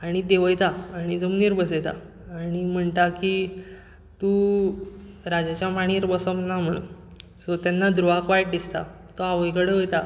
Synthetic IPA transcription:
aɽ̃id̪eʋəjt̪aaɽ̃id͡zəmniɾbəset̪a̰ | aːɽ̃im̤əɳt̪aki | t̪u | ɾad͡ʑat͡ɕjamaɽ̃iːɾbəsɔmnːam̤əɽṵn | sɔt̪janːad̪ɾuʋakʋajʈ̚d̪ist̪a̰ | t̪ɔaʋəjkəɽeəjt̪a

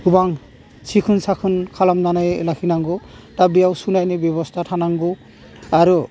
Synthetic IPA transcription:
ɡubaŋ | sʰikʰunsakʰɯnkʰalamnanajlakʰinaŋɡɔtabijawsunajnɛbjɔbɔstʰatʰanaŋɡɔ | aɾu

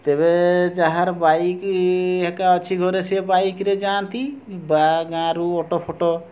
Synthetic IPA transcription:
t̪eβed͡ʒaɦaɾbaikɦɛkaɔt͡ʃʰiɡʱɔɾesebaikɾed͡ʒant̪ibaɡãɾuɔʈopʰoʈo

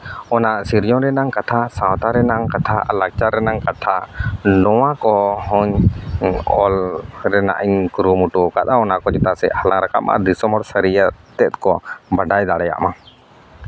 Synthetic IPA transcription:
ɔnaʔʔsiɾd͡ʒɔ̃ɾɛnaŋkat̪ʰasawt̪aɾɛnaŋkat̪ʰalak̚t͡ʃaɾɛnaŋkat̪ʰaʔnɔwakɔhɔɲ | ɔlɾɛna̰ʔiɲkuɾumuʈukat̪aɔnaʔkɔd͡ʒɛt̪asɛ̰halaŋɾaka̰ma̰d̪isɔmɔɾsəɾijət̪ɛt̪̚kɔbaɖajd̪aɽɛja̰ʔma

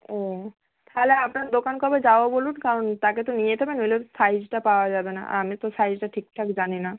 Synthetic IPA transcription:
o | t̪ʰaleapnaɾd̪okankɔbed͡ʑaoabolunkaɾont̪aket̪onijet̪ʰebenolesajd͡ʑʈapaoad͡ʑabena̰ʔa̰amit̪osajd͡ʑʈaʈʰikʈʰakd͡ʑanina

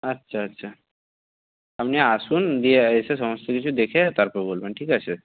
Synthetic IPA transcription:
ɐtːɕʰaːtːɕʰa | amneasuːnd̪ijeəjsesəməst̪ʰəkit͡ɕʰud̪ekʰet̪aɾpebolmẽɳʈʰiːkase

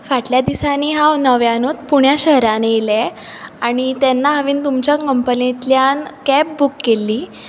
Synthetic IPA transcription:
faʈljad̪isaniːɦawnəʋjanut̪puɳjaɕəɦɾaneile | aɽ̃it̪ɛnːaɦəʋiːnt̪umt͡ɕjakəmpənit̪ljankæp̚bukːelːiː

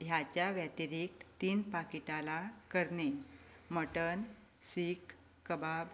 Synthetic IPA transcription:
jat͡ɕjaʋjat̪iɾik̚tt̪iːnpakiʈalakəɾneməʈən | sikː | əbab

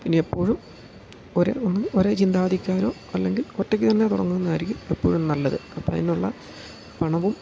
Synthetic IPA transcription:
pinːeepːo̞ːɻum | oɾḛonːumoɾeːt͡ɕind̪aːɐd̪ʱikʲːaːɾo̞ː | ɐlːe̞ŋɡilotːekʲːɨt̪ɐnːet̪uɽɐ̰ŋːunːɐaːɾikʲːumepːo̞ːɻumnɐlːɐðɨɐpːomɐ̰ðineuɭːɐ̰ | pɐɳɐʋum

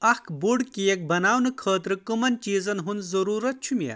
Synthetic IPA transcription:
ɐkʰbuɽkijek̚bɐnaːwnɨkʰəːt̪ɾɨkɨmɐnt͡ʃiːzɐnɦunzɐɾuːɾɐt̪̚t͡ʃʰumʲḛ

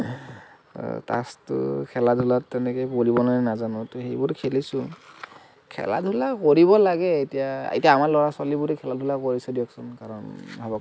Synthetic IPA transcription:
ta̰stʊ̰kʰɛladʱulatːɛnɛkɔjpoɹibɔnanɛnazanɔtɔxejbʊɹkʰelisʊ̃ | kʰɛ̰la̰dʱulakoɹiβɔlaɡɛetijaḛtijaːmalɔɹaswalibuɹɛkʰɛladʱulakoɹisɛdiɛksɔnkaɹɔnbʱabɔ

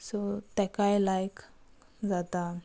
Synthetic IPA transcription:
sot̪ɛkajlajk | d͡zat̪a

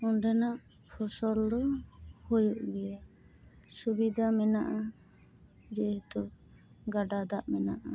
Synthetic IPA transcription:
ɔnɖɛnaʔ | pʰɔsɔld̪ɔhojuʔɡɛja | subid̪ʱamɛnaʔa | d͡ʒɛt̪ɔ | ɡaɖad̪aʔmɛnaʔa

